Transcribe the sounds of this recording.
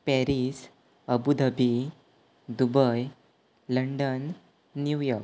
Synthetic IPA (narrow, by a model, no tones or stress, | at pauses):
pɛɾis | əbud̪ʱəbi | d̪ubəj | ləɳɖənː | jujɔɾk